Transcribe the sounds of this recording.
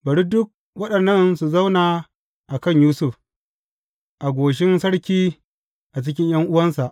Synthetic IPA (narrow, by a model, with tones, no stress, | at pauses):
bɐ˨ɽi˦dʊ˦k̚ | wɐ˦ɗɐ˨nːɐ˦nsu˨zɐ˦wnaː˨ | ʔa˨kɐ˦˨ɲjuː˦sʊ˦˨f | ʔa˨ɡʷoː˨ʃ̬ɪ˦nsɐ˦ɽkʲiː˦ | ʔa˨t͡ʃɪ˦kʲɪ˦ɲj̰ɐ˦ŋʔʊ˦wɐ˦nsa˨ʔ